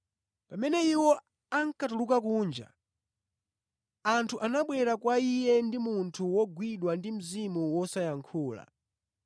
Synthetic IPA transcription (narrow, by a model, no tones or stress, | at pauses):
pamɛnɛiwɔ | aŋkatulukakuːnd͡ʒa̰ | antʰuʔanaɓwɛɾakwaijɛndimuntʰuwɔɡwiɗwandim̩zimuwɔsajaŋkʰuːla̰